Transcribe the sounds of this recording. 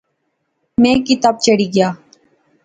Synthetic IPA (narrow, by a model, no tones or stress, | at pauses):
mɛ̃ːkit̪aːb̚t͡ʃəɽiɡɪjaː